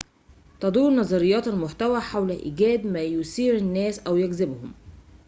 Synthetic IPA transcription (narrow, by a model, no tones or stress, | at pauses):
t̪ɑd̪ˤuːɾnɑzˤɑɾɪjːɑːt̪ælmʊħt̪æwæħawlæʔḭːɡæːd̪mæːjosiːɾænːæːsʔæwjæɡzɪbhʊm